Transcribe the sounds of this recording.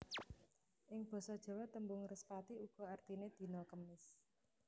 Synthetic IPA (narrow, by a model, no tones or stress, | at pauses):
ʔɪŋb̥ɔ̤sɔd̥ʒ̥ɔ̤wat̪əmbʊŋrəspat̪iuɡ̥ɔ̤art̪ined̪̥i̤nɔkəmɪs